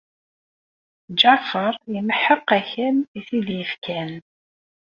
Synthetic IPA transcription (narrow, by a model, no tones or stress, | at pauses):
d͡ʒafəɾˤjəməħəqːæçəniθiðjəfkʰæn